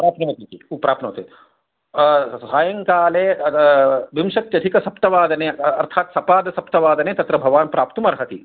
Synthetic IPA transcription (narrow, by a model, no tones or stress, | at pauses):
pɾaːpnɐʋɐt̪ikiupɾaːpnɐ̰t̪e | saːjɐŋkaːleː | bimʃɐk̪t͡ʃɐd̪ʱikɐsɐpt̪ɐʋaːd̪ɐneɐɾt̪ʰaːt̪sɐpaːd̪ɐsɐpt̪ɐʋaːd̪ɐneːt̪ɐt̪ɾɐbʱɐʋaːnpɾaːpt̪umɐɾɦɐt̪i